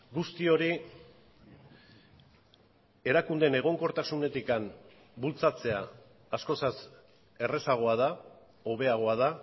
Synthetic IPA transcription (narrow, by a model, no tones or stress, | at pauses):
ɡust̪io̞ɾi | e̞ɾakund̪e̞ne̞ɣ̞o̞ŋko̞ɾt̪asune̞t̪ikam | bult͡sat͡se̞aː | sko̞sas | e̞re̞saɣ̞o̞að̞a | o̞β̞e̞aɣ̞o̞að̞a